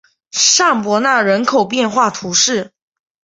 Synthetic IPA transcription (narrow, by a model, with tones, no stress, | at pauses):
ʂa˥˩ŋpwɔ˧˥na˥˩ɻə˧˥nkʰo˨˩ʊpjɛ˥˧nxwa˥˩t̪ʰu˧˥ʂɻ̩˥˩